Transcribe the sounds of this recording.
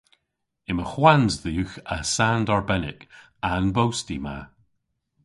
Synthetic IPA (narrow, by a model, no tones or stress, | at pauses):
ɪməxwanzðəjʉxəsandɔɹbɛnɪk | anbowstima̰